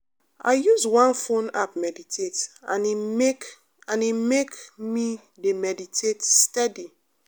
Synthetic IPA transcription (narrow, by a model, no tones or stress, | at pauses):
a̰ɪjuzwãnfõnap̚mɛditʰetã̰nime | ãnimekmi | demɛditʰetstɛdi